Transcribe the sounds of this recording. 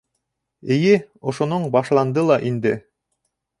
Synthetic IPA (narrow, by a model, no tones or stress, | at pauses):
ɘ̆jɘŏʃŏnoɴbɑʃlˠɑnd̪ɤlˠɑʔind̪ɘ